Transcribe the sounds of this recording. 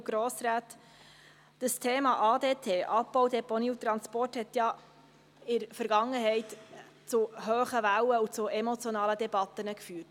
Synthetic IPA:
ɡ̥ɾoːsɾaːt̪ | d̥əst̪ʰeːmɑʔɑːd̪eːtʰeːʔɑpːɔwd̪ɛponiːut̪ɾɑnspɔrthɛt̪jɑ | ɪɾfəɾɡ̥ɑŋːəɦɛɪt | t͡suɦøːχəʋæwəut͡suɛmɔt͡sjɔnɑːləd̪ɛbɑt̪ːənəkfyːt

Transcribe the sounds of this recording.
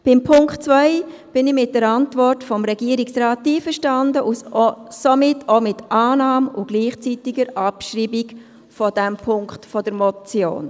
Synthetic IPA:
b̥ɪmpʰʊŋkχtt͡svœɪb̥ɪnɪmɪt̚d̥əɾɑntvɔrtfɔmɾɛɡ̥iəɾiksrɑːt̚ːiːfəɾʃtɑndəʔussomɪtʰomɪtʔɑːnɑːmʊɡ̥liːχt͡sitiɡəɾʔɑpʃriːbik | fɔd̥ɛmpʰʊŋkχtfɔd̥əɾmɔt͡sjo̰ːn

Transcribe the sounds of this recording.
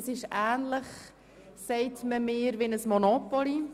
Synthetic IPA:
sɪʃæːnləχ | sɛɪtməmɪːɾʋɪnəsmɔnopɔli

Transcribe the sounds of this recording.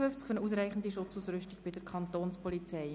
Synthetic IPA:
ʏnft͡skfœnuːs̬ɾɛɪχn̩diʃʊt͡suːsɾʏstiɡ̥b̥ɪd̥əɾkʰɑnt̪oːnspɔlit͡sɛɪ

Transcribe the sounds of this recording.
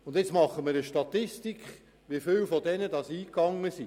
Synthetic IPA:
ʊnd̪jɪt͡smɑχəmɪɾəʃtɑtɪstikχ | ʋifɪwfɔdɛnədɑsiːkɑŋːəsi

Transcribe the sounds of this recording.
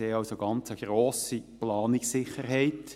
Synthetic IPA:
eːɑʊwsoɡ̥ɑnt͡səɡ̥ɾoːsiplɑːnɪksːɪχəɾɦɛɪt̪

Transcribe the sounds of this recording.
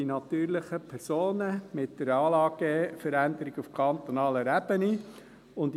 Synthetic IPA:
inɑt̪yːɾlɪχəpʰɛɾsoːnəmɪt̚d̥əɾɑːlɑːɡefəɾænd̪əɾiɡufkʰɑnt̪onɑːləɾæb̥əni | ʊnd

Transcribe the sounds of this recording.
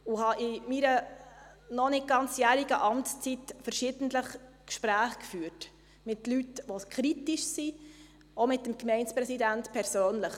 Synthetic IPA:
uhɑʔɪmiɾə | nɔnɪt̚ɡ̥ɑnt͡sjæːɾiɡ̥əʔɑmtst͡sitfəɾʃɪd̥n̩tləχ | kʃpɾæːχkfyːɾt | mɪtlytʋoskʰχɾitiʃsi | omɪtːəmkmɛɪnspɾɛsidæntpʰɛɾsøːnləχ

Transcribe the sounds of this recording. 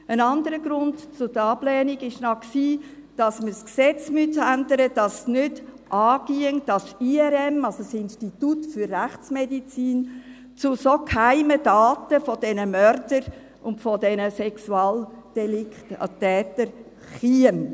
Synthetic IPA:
ənɑndəɾəɡɾʊndt͡sʊdəɑblɛːniɡɪʃnɑksiː | d̥ɑsməsksɛt͡smytændəɾəd̥ɑsnʏd | ʔɑːɡ̥iəŋd̥ɑsiɛɾɛmɑlsosɪnʃtit̪utfʏrːæχt͡smɛdit͡siːn | t͡sʊsokʰhaɪməd̥ɑːtəfɔd̥ɛnəmœɾdəɾ | ʊntfɔdɛnəsɛksuɑːld̥ɛlɪkttɛːtəɾ | χiəm

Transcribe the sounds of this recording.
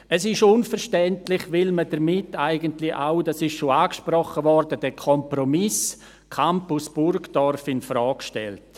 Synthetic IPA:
əsɪʃʊnfəʃtɛntlɪχʋɪlmədəɾmɪtːaɪɡəntlɪʔaʊdasɪʃʃoaːkʃprɔχəvɔɾdədɛkʰɔmpɾomɪs | kʰampusb̥ʊrkd̥ɔrfɪnfɾɔːkʃtɛ̰lt

